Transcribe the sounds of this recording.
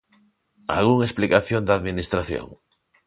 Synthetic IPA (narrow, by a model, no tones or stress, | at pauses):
a̰lɣuŋesplikaθjond̪aðminist̪ɾaθjo̰ŋ